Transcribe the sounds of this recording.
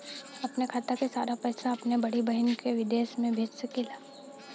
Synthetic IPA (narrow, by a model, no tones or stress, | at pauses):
ɐpnekʰaːt̪akesaːɾapɛːsaɐpnebɐɽibɐɦɪnkeʋɪd̪eːʃmẽbʱeːd͡ʒsekɪlaː